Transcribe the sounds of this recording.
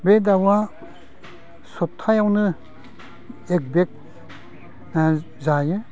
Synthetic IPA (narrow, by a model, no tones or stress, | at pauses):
bedawa | sɔp̚t̪ʰajawnɯ | ek̚bek̚ | zajɯ